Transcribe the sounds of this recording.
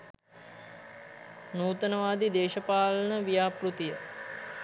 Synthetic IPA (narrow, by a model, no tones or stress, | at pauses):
nuːt̪ənəʋaːd̪id̪eːʃəpaːlənəʋijaːprut̪ijə